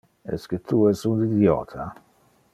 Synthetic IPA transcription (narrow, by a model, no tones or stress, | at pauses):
ɛ̰skɪt̪ʰːuːɛsundid̪jɔ̰ːt̪ʰɐ